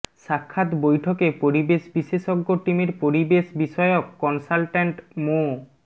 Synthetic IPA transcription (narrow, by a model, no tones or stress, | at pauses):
ʃakʰːat̪bojʈʰokepoɾibeʃbiseʃoɡːoʈimeɾpoɾibeʃbiʃɔeokːɔnsalʈeɳʈmo